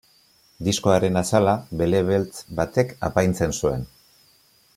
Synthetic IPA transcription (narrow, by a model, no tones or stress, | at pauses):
d̪isko̞aɾe̞nasalaβe̞le̞βelt͡sbat̪e̞ka̰pajnt͡se̞nsue̞̰n